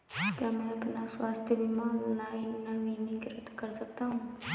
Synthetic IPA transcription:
kjaːmɛ̃ɐpnaswaːst̪ʰjəbimaːnlaːɪnːaʋinikɪɾət̪kɐɾsɐk̚t̪aɦũː

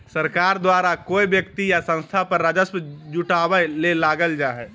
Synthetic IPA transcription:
səɾkaːɾd̪waːɾakoːibjəkt̪ijasə̃nst̪ʰapəɾːad͡ʒəsmd͡ʒuʈaːwəlelaːɡəld͡ʒaːɦɛː

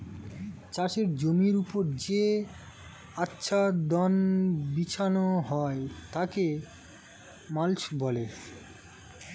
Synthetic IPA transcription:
t͡ɕaʃeɾd͡ʑoniɾupoɾd͡ʑe | atːɕʰʃʰad̪ɔnbit͡ɕʰanoɦɔet̪ake | malt͡ɕbɔle

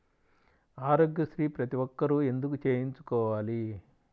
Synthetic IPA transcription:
aːɾoːɡjɐsɾiːpɾɐt̪iʋɔkːɐɾue̞nd̪ukut͡ʃe̞ːjiɲt͡ʃu̥kɔːʋaːli

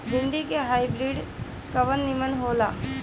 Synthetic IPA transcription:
bʱɪɳɖikeɦaːibɾiːɖ | kɐʋənːɪmənɦoːlaː

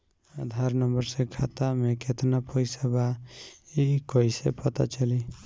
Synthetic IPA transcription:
ad̪ʱaɾnəmbəɾsẽkʰat̪ameket̪napʰɔjseba | ikɔjsḛpət̪a̰t͡ʃəli

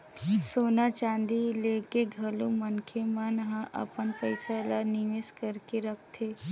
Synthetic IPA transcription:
soːnat͡ʃãːnd̪ileːkeɡʱɐlumənkʰemanɦãʔə̰pənpəɪsalanɪʋeskəɾkeɾɐk̚ʰt̪ʰeː

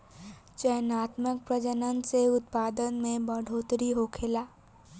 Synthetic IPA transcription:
t͡ʃəjnaːt̪mək̚pɾəd͡ʒənənseʊt̪̚paːd̪ənmẽbəɽ̤ʱoːt̪ɾiɦoːkʰeːlaː

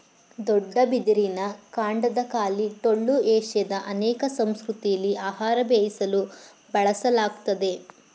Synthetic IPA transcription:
d̪ɔɖːɐbid̪iɾinɐkaːɳɖɐd̪ɐkaːliʈoɭːuɛːʃjɐd̪ɐʔɐnɛːkɐsɐmskɾut̪ijɐlːiʔaːɦaːɾɐbeːjisɐlu | bɐɭɐsɐlaːɡut̪ɐd̪e̞

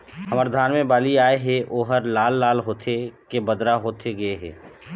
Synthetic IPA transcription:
həməɾd̪ʱaːnmẽbaːliaːeɦɛʔoːɦəɾlaːlːaːlɦoːt̪ʰekebəd̪ɾaɦoːt̪ʰeɡɐeɦɛ̰ː

